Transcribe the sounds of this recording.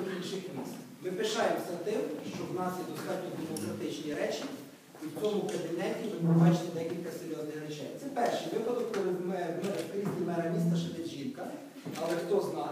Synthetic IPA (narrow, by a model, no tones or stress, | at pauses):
bʲilʲʃɪxmʲist̪ | mɪpɪʃɑjemsʲɐt̪ɪmʃt͡ʃɔwnɑsjɛd̪ɔst̪ɑtʲnʲɔd̪emɔkɾɐt̪ɪt͡ʃnʲiɾɛt͡ʃʲi | iwʲt͡sʲɔmʊkɐbʲinɛtʲimɪpɾɔbɑt͡ʃɪnɪd̪ɛkʲilʲkɐseɾʲjɔznɪxɾɛt͡ʃɛ̰jt̪sɛpɛrʃɪjʋɪpɐd̪ɔkpɔɾɪmɛmɛɾkɾʲizʲtʲimɛɾɐmʲist̪ɐʃɛʋ̪ɛʒinkɐ | ɐlˠɛxt̪ɔznɑ